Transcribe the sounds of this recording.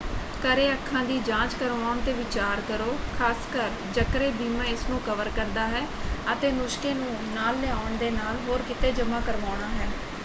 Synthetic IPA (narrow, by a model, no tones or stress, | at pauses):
kəɾeːəkʰːãːd̪iːd͡ʒãːt͡ʃkəɾʋaːʊɳt̪eːʋɪt͡ʃaːɾkəɾoːkʰaːskəɾ | d͡ʒəkɾeːbiːmãːɪsnũːkəʋəɾkəɾd̪aːɦɛːət̪eːnʊʃkeːnũː | naːlːɛaːʊɳd̪eːnaːlɦoːɾkɪt̪eːd͡ʒəmãːkəɾʋaːʊɳaːɦɛː